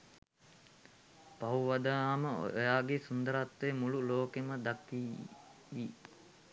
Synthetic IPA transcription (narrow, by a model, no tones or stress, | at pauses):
pauʋad̪aaməo̰jaːɡesund̪əɾat̪ʋemululoːkeməd̪akiː | i